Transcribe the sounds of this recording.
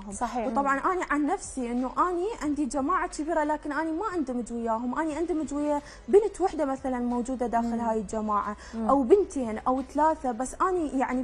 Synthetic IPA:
ɦʊmsˤɑħiːwt̪ˤɑbʕɑnʔaːniʕanːafsiʔɪnːuʔaːniʕɪnd̪id͡ʒamaːʕakɪbiːɾalaːkɪnʔaːnimaʕɪnd̪ʊmɪd͡ʒwɪjaːɦʊmʔaːniʕɪnd̪umɪd͡ʒwɪjːa | bɪnt̪wɪħd̪amaθalanmowd͡ʒuːd̪ad̪aːxɪlhaːjɪld͡ʒamaːʕa | ʔawbɪnt̪eːnʔawt̪alaːθabasːʔaːnijaʕni

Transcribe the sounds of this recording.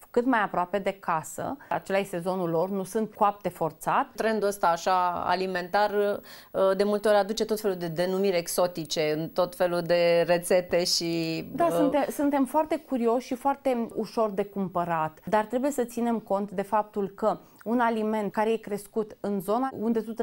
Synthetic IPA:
kɨt̪majapɾoape̞d̪e̞kasə̰a̰t͡ʃe̞laje̞st̪e̞zo̞nulo̞rnusɨnt̪̚koap̚t̪e̞fo̞rt̪sat̪t̪ɾe̞nd̪uəst̪aːʃaa̰lime̞nt̪ar | d̪e̞mult̪e̞o̞ɾʲad̪ut͡ʃe̞t̪o̞t̪fe̞lud̪e̞d̪e̞numiɾʲekso̞t̪it͡ʃe̞ɨnt̪o̞t̪fe̞lud̪e̞re̞t̪se̞t̪e̞ʃidd̪asunt̪esunt̪e̞mfoart̪e̞kuɾio̞ʃʃifoart̪e̞uʃo̞rd̪e̞kumpəɾat̪d̪art̪ɾe̞buje̞sət̪sine̞mko̞nt̪d̪e̞fap̚t̪ulkə | unalime̞nt̪̚kaɾe̞jekɾe̞skut̪ɨnzo̞naund̪e̞t̪ut̪

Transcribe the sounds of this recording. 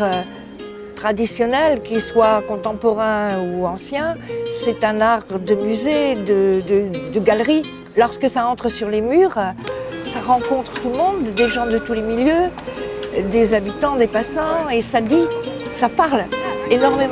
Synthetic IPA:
t̪χad̪isjɔnɛlkʲiswakɔ̃t̪ɑ̃pɔʁɛ̃uɑ̃sjɛ̃sɛt̪ɛ̃naʁd̪əmyzed̪əd̪əd̪əɡalʁi | lɔʁskəsaɑ̃t̪χəsyʁlemyʁsaʁɑ̃kɔ̃t̪χət̪ulmɔ̃d̪ːeʒɑ̃d̪ət̪ulemiljø | d̪ezabit̪ɑ̃d̪epasɑ̃esad̪isapaʁlenɔʁme

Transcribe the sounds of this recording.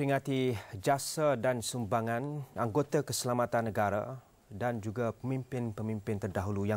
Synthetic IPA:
ɾiŋãt̪id͡ʒasadansumbaŋãnaŋɡot̪akəsəlamat̪anːəɡaɾa̰ | dand͡ʒuɡapəmĩmpɪnpəmĩmpɪnt̪ərdaɦuluja

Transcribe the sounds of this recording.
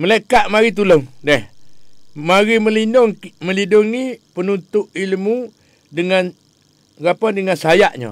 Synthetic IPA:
məlakaʔmaɾit̪̬uloŋdɛh | maɾiməlinʊŋməliduŋipənunt̪ʊʔilmu | dəŋan | ɣapandəŋansəajaʔɲo̰

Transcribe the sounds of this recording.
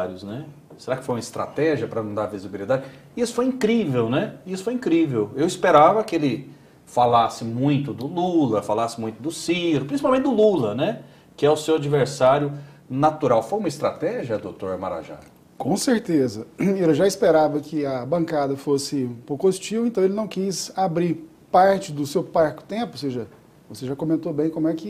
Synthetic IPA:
ɾjʊsnɛ | seɾakɪ̥fojumɐɪst̪ɾa̰t̪ɛʒiɐpɾɐnɐ̃w̃d̪aɾvizibilid̪ad͡ʒɪ | ɪisʊ̥fojĩkɾivewnɛɪisʊ̥fojĩkɾivewewispeɾavɐkɪelɪ | falasɪmũj̃t̪ʊd̪ʊlulɐfalasɪmũj̃t̪ʊd̪ʊsiɾʊpɾĩsipawmẽnt͡ʃ̪̚ʲd̪ʊlulɐnɛ | kɪɛʊsewad͡ʒiveɾsaɾjʊ | nat̪uɾawfojumɐist̪ɾa̰t̪ɛʒiɐd̪owt̪oɾma̰ɾa̰ʒa̰ | kõseɾt̪ezɐiɾɐʒaispeɾavɐkʰɪɐbɐ̃ŋkad̪ɐfosɪ̃pokost͡ʃiuẽnt̪ɐ̃w̃elɪnɐ̃w̃kisabɾiɾ | paɾt͡ʃɪd̪ʊsewpaɾkʊ̥t̪ẽpʊoseʒɐ | voseʒakõmẽnt̪obẽj̃kõmʊɛkɪ

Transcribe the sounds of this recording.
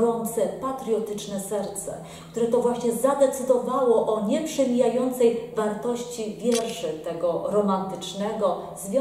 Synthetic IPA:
ɾɔnt̪sɛpat̪ɾʲjɔt̪ɘt͡ʂnɛsɛɾt̪sɛ̰ | kt̪uɾɛt̪ɔvwaɕɲɛzad̪ɛt̪sɘd̪ɔvawɔʔɔɲɛpʂɛmʲijajɔnt̪sɛjvaɾt̪ɔɕt͡ɕivʲjɛʐɘt̪ɛɡɔɾɔmant̪ɘt͡ʂnɛɡɔ | zvʲjɔ

